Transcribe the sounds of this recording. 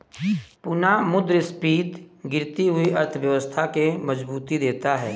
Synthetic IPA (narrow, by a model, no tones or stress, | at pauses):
pʊnamʊd̪ɾspiːt̪ɡɪɾt̪iɦʊiʔɐɾt̪ʰəʋjəʋəst̪ʰakemɐzbuːt̪id̪eːt̪aɦɛː